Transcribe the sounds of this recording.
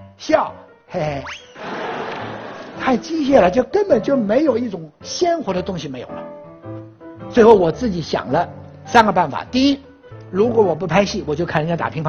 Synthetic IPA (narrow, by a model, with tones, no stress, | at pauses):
ɕjɑ˥˩ʊ | e˥˩ | t̪ʰa˥˩ɪt͡ɕi˥ɕ̬jɛ˥˩lə˩t͡ɕjo˥˩ʊkə˥npə˨˩nt͡ɕjo˥˩ʊme˧˥ɪjo˨˩ʊi˥˩ʈ͡ʂʊ˨˩ŋɕjɛ˥nxwɔ˧˥d̪ə˧t̪ʊ˥ŋɕi˨me˧˥ɪjo̰˨˩ʊlə˦ | t͡swɪxo˥˩ʊwɔ˨˩t͡sɹ̩˥˩t͡ɕi˧˥ɕjɑ̰˨˩ŋlə˦ | sa˥nɡə˧pa˥˩nfa̰˨˩˦t̪i˥˧i˥ | ɻu˧˥kwɔ˧˥wɔ˨˩p̬u˥˩pʰa˥ɪɕi˥˩wɔ˨˩t͡ɕjo˥˧kʰa˥˩nə˧˥jt̪a˨˩pʰi˧˥ŋpʰa˥